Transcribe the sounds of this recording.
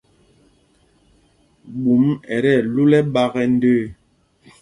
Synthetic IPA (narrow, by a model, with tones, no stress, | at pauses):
ɓu˨˦mɛ˨ɾɛ˦˨lu˦lɛ˦ɓa˦ɣɛ˦n̩˦dəː˦˨